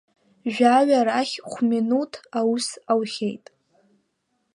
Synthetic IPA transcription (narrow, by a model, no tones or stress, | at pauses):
ʒᶣaɥaɾaχʲχʷminutʰawusawχʲejtʼ